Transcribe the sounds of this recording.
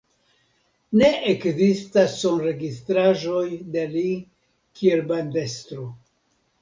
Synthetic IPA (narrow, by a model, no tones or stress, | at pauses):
ne̞ekzistasonɾe̞ɡistɾaʒo̞jdeli | kʰie̞lbande̞stɾo̞